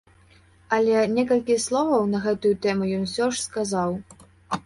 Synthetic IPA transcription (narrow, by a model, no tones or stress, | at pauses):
ɐlʲɛnʲɛkɐlʲkʲislˠɔvɐwnɐɣɛt̪ujut̪ɛmujɔnsʲɔʂskazaw